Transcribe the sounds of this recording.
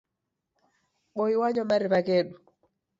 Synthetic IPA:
ɓoiwaɲɔmaɾipakeɗu

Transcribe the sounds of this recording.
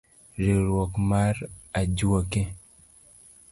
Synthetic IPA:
ɾiɾwɔkmarad͡ʒwoke

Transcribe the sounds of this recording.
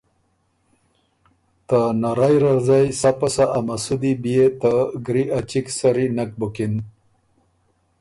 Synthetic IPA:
t̪anaɾajɾaɾzajsapasaʔamasud̪ibijet̪aɡɾiʔat͡ɕiksaɾinak̚bukin

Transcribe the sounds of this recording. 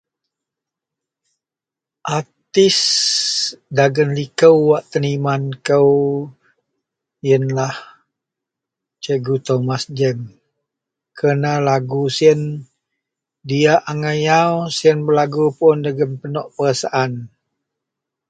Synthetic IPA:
ʔat̪ɪs | daɡənlikəwːaʔt̪ənimankəw | jənlah | t͡ʃəɡut̪omasd͡ʒɛm | kʰənalaɡusiən | diaʔaŋajawsiənbəlaɡupʊndaɡənpənɔʔpəɾasaʔan

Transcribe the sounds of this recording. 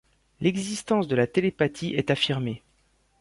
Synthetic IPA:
lɛɡzist̪ɑ̃sd̪əlat̪elepat̪ʰiʔɛt̪afiʁme

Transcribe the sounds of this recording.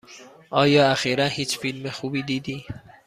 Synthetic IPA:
ʔɒːjɒːæxiːɾænhiːt͡ʃfilmexuːbiːd̪iːd̪i

